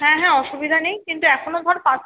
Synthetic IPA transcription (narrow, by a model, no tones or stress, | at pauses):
ɦɛ̃ɦɛ̃ɔʃubid̪ʱanejkint̪uɛkʰonod̪ʱɔɾpã